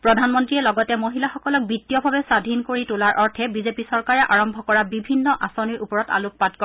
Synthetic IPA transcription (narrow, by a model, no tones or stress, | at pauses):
pɹɔdʱanmɔntɹiɛlɔɡɔtɛmoɦilaxɔkɔlɔk̚bitːijɔbʱabɛsadʱinkoɹitʊlaɹʔɔɹtʰɛbizepisɔɹkaɹɛʔaɹɔmbʱɔkɔɹabibʱinːɔʔasɔniɹʔupɔɹɔta̰lʊk̚patkɔ